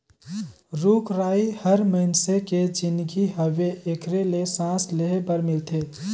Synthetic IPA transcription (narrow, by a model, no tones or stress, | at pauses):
ɾukɾaihəɾməɦɪnseked͡ʒind̪ɡiɦəʋeʔekɾelesãsleɦebəɾmilt̪ʰe